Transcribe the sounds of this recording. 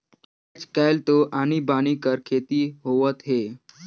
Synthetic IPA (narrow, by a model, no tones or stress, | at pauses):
at͡ʃkajlt̪oʔañibañikəɾkʰet̪iɦoʋət̪ɦe